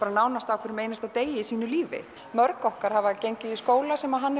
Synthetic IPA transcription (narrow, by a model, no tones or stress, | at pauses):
aɾanaːwnast̪awkʰvɛɾɪmeːjnast̪aðt̪eːjɪisiːnʏliːvɪ̰ | mœɾkɔhkaɾ̥havacejɲcɪðiskoːwlasɛmaðɦanː